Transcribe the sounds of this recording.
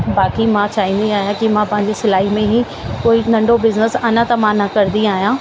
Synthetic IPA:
baːkimãt͡ɕaːɦĩːnd̪iaːɦijãkimãpɐ̃ɦɪ̃ɲ̆d͡ʑesɪlaːɦimẽɦi | koːinɐ̃ɳɖobɪznəsɐnat̪ɐmãːnɐkɐɾnd̪iaːɦjãː

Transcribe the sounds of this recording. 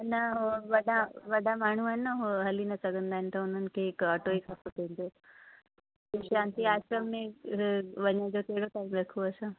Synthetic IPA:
nɐɦoʋɐɗãʋɐɗamaːɳ̤uaːɦɪnɦoɦɐlinɐsɐɡʱə̃nd̪aːɦɪ̃nɪ̆t̪ɐʊn̤ənɪ̆kʰeːɦɪkɐʈoːikʰapopɐ̃ɦnd̪oː | eʃãːnt̪iaːʃɾəmːẽ | ʋɐɲəd͡ʑoːkɐɦɪɽoʈaːimɾɐkʰoɐsã

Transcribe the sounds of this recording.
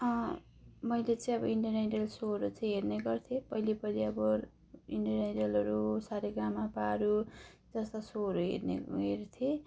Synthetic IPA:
ʌ | mʌjlet͡sʌĩʌbʌiɳɖʌneɖʌlsoɦʌɾut͡sʰʌĩɦerneɡʌrt̪ʰjepʌilepʌliʌbʌ | iɳɖʌneɖʌlʌɾusaɾeɡamapaɾu | d͡zʌst̪asoɦʌɾuɦḛɾnḛɦert̪ʰe

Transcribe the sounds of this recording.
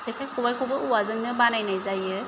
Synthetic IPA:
tʰekʰajkʰubajkʰobɯʔuwazɯŋnɯbanajnajzajɯ

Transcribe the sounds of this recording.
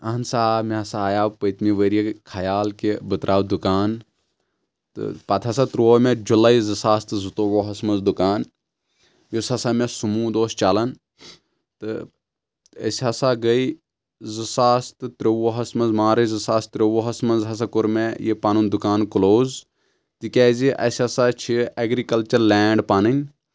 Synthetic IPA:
ɐɦɐnsaːmẽɦɐsaːjaːpəjt̪miʋəɾijekʰajaːlkebɨt̪ɾʔaːwd̪ukaːn | t̪ɨ̰paːt̪ʰasat̪ɾomẽd͡ʒulaizɨsaːst̪ɨzut̪oʋoːɦɐsmɐnzd̪ukaːn | josʲɐsaːmẽsumũːd̪oːst͡ʃaːlɐn | t̪ɨ | ɐ̰sɐsaːɡɐi | zɨsaːst̪ɨt̪ɾoʋoːɦɐsmɐzmaːɾɐzɨsaːst̪ɾoʋoːɦɐsmɐnzɦɐs̬akʊɾmejipaːnund̪ʊkaːnkʊloːz | t̪ikʲɛːziʔɐ̰sʲɐsat͡ʃʰiɐɡɾikɐlt͡ʃɐɾlɛːɳɖpaːnɐnʲ

